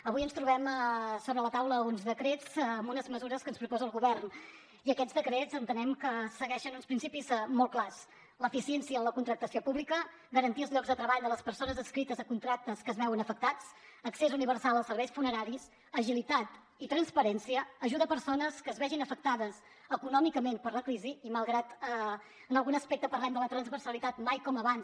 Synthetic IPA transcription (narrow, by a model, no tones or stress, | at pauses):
əβujənst̪ɾuβɛməsoβɾələt̪awləunzðəkɾet͡sːmbunəzməzuɾəskənspɾupɔzəːlˠɣuβɛrn | iəkɛd͡zd̪əkɾezənt̪ənɛmkəsəɣɛʃənunspɾinsipizmɔlˠklas | ləfisiɛnsiəːləkunt̪ɾək̚t̪əsiopuβlikə | ɡəɾənt̪iəlˠzʎɔɡzðət̪ɾəβaʎd̪ələspəɾsonəzəskɾit̪əzəkunt̪ɾak̚t̪əskəzβɛwənəfək̚t̪at͡səksezuniβ̞əɾsalˠəsəɾβɛjsfunəɾaɾis | əʒilit̪at̪ | it̪ɾənspəɾɛnsiəːʒuðəpəɾsonəskəːzβɛʒinəfək̚t̪aðəs | əkunɔmikəmenpəɾləkɾiziiməlˠɣɾat̪ə | ənəlˠɣunəspek̚t̪əpəɾlɛmd̪ələt̪ɾənzβəɾsəlit̪at̪majkɔməβans